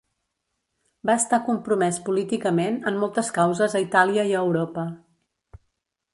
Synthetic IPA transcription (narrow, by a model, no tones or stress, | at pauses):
baəst̪akumpɾumɛspulit̪ikəmenəmːɔlˠt̪əskawzəzəit̪aliəiəwɾopə